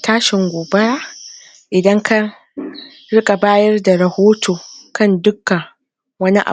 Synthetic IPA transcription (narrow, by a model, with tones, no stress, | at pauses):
tʰaː˦ʃɪ˨ŋɡʷoː˨bɐ˦ɾaː˦ | ʔɪ˨dɐ˦ŋka˦ | ɽɪ˦kʼa˨baː˦jɐ˦rda˨ɾɐ˨hoː˦tʰoː˨kʰɐ˦˨ndʊ˦kːa˨ | wɐ˦ni˦ʔa̰˨